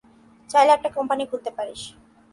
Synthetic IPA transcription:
t͡ɕajlɛk̚ʈakɔmpaniɡʱuɾt̪epaɾeʃ

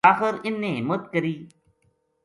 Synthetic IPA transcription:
aːxɪɾɪnːẽːɦɪmət̪kəɾiː

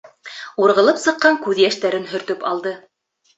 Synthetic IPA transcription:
uɾʁɤ̆lˠɤpsɤ̆qːɑŋkʉðjæʃt̪æɾɘnɦɵ̆ɾt̪ɵpɑlˠd̪ɤ

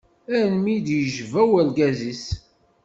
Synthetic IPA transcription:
ænmid̪jəʒvæwælɡæzis

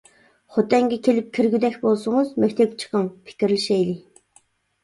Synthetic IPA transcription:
χʊt̪æːŋɡʲikʰːeɮɘ̆p̚kʰeɾɘ̆ɣt̪æːxpʊsə̆ŋoːsmækʲt̪ʰekt͡ɕʰɪ̥̆χə̆ŋpʰi̥kʲɘ̆ɾɘ̆ɮʃeːɮi

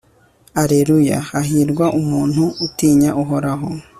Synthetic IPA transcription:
aɾeɾuja̰haɦiːɾɡwaʔumuːnhuːtiːɲaʔuɦo̞ɾaɦo

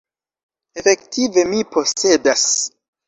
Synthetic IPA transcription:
efe̞ktive̞mipo̞se̞das

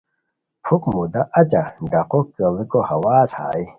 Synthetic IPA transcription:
pʰukmud̪aʔɐt͡ɕaɖɐqokɐlikohɐwaːsha̰ːi

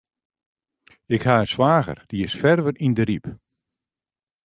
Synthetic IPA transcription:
ɪkhaənswaːɣə̰rd̥iɪsfɛrʋərindəɾip

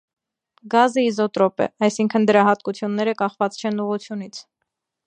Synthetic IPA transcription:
ɡɑzəizɔt̪ɾɔpɛ̰ɑjsiŋkʰənd̪əɾɑɦɑt̪̚kut͡sʰjunːɛɾəkɑχvɑt͡st͡ʃʰɛnuʁut͡sʰjun̪it͡sʰ

